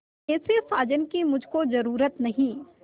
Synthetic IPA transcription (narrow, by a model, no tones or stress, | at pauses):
ɛːsesaːd͡ʒənkimʊd͡ʒʱkozɐɾuːɾət̪nɐɦĩː